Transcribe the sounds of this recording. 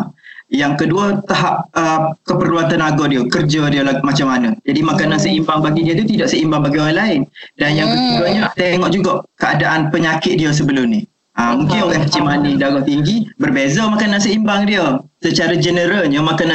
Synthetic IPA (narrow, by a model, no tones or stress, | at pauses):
jaŋkəduət̪aɦap̚əkəpərluat̪anaɡɔdiəkərd͡ʒədiəlamat͡ʃamːanə̃d͡ʒadimakanansəimbaŋbaɡidiət̪ut̪idaʔsəimbaŋbaɡioɾanlaɪndanjaŋbəkəɡaɲət̪eŋɔʔd͡ʒuɡaʔkəadaʔanpəɲakɪt̪̚diəs̬əbəlʊmnih | amuŋkɪnolɛhkət͡ʃimanidaɡaht̪iŋɡibərbezamakanansəimbaŋdiəsət͡ʃaɾad͡ʒənəɾalɲəmakana